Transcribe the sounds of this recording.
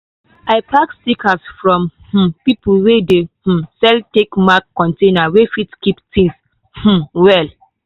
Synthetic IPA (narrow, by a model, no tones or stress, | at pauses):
aɪpakstikʰasfɹɔ̃mhm̩pipulwedehm̩sɛltekmakːɔ̃ntẽnawefitkiptĩŋs | h̩wɛl